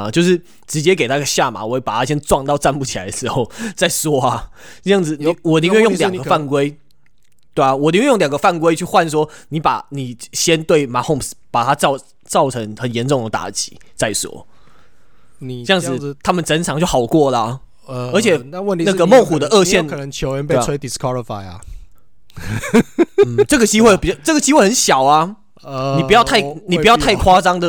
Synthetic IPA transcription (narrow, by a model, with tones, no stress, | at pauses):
a˨t͡ɕjo˥˧ʊʂ̬ɻ̩˥˩ | ʈ͡ʂɻ̩˧˥t͡ɕjɛ˦ke˨˩ɪt̪a˥˧˩ɡə˧ɕja˥˨ma̰˨˩wɔ˨˦e˥˩pa˨˩t̪ʰa˥ɕjɛ˥nʈ͡ʂwɑ˥˧ŋt̪ɑ˥˧ʊt͡sa˥˧npu˥˩t͡ɕʰi˨la˧˦ɪd̪ə˩ʂ̩˧˥xo˥˩ʊt͡sa˥˧ɪswɔ˥a˧ʈ͡ʂɤ˥˧jɑ˥˩ŋd͡zɹ̩˩ni˨˩wɔ˨˩t̪i˧˥ŋwe˥˧jŋljɑ˨˩ɡə˦fa˥˩nkwe˥ɪ | t̪we˥˩ɪa˩wɔ˨˩t̪i˧˥wjljɑ˨˩ŋɡə˦fa˥˩nkwe˥ɪt͡ɕʰy˥˧xwa˥˨ns̬wɔ˥ni˨˧˥pa̰˨˩ni˨˩ɕjɛ˦nt̪we˥˩ɪma˧˥xo˥˧mspa˨˩t̪ʰa˥t͡sɑ˥˩ʊ | t͡sɑ˥˩ʊʈ͡ʂʰɤ˧˥ŋxə˨˩njɛ˨˦nʈ͡ʂʊ˥˩ŋd̪ə˩t̪a̰˨˥t͡ɕḭ̥˨˦ | t͡sa˥˩ɪswɔ̰˨˩˦ | ni˨˩ə˥˧jɑ˥˩ŋd͡zɹ̩˨˩ŋ˨t̪ʰa˥mə˨nʈ͡ʂə˥nʈ͡ʂʰɑ˧˥ŋt͡ɕjo˥˩ʊxɑ˨˩ʊkwɔ˥˩lə˨ | ə˧˥t͡ɕʰjɛ˨˩˥wə˥˨nt̪i˧na˥˧ɡə˨mo˥˨ŋxu˨˩d̪ə˦ʔɤ˥˧ɕjɛ˥˨nknə˧˦ŋt͡ɕʰjo˧˦ʊɛ˧˦npe˧we˥ɪt̪i˨˩skʰwa˦li˨fa˨˩ɪa̰˨˩˨ | ʈ͡ʂɤ˥˩ɡə˩t͡ɕi˥xwe˥˩ɪpi˨˩t͡ɕʈ͡ʂə˥˩ɡə˩t͡ɕi˥xwe˥˩xə˧˦nɕjɑ˨˩ʊa˦ | i˨˩pu˦jt̪ʰa˥˩ɪni˨pu˧˥jɑ˥˧ʊt̪ʰa˥˩ɪkʰwa˥t͡sɑ˥ŋd̪ə˨